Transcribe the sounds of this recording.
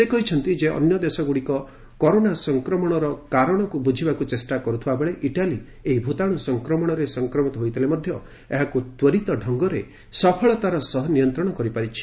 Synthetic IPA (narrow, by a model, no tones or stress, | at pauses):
sekɔɦit͡ʃʰɔnt̪id͡ʒeʔɔ̰njɔd̪esɔɡuɽikɔ | kɔɾonasɔŋkɾɔmɔɽ̃ɔɾɔkaɾɔɽ̃ɔkubud͡ʒʱibakut͡ʃesʈakɔɾut̪ʰibabeɭeʔiʈali | eɦibʱut̪aɽ̃usɔŋkɾɔmɔɽ̃ɔɾesɔŋkɾɔmit̪ɔɦojt̪ʰilemɔd̪ʱjɔ | eɦakut̪wɔɾit̪ɔɖʱɔŋɡɔɾe | sɔpʰɔɭɔt̪aɾɔsɔɦɔnijɔnt̪ɾɔɽ̃ɔkɔɾipaɾit͡ʃʰi̥